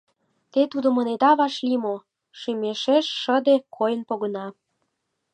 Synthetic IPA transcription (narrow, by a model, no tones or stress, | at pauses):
t̪et̪ud̪omə̆ned̪ɑβɑʃlimo | ʃymeʃeʃːəd̪ekʰojənpoɣənɑ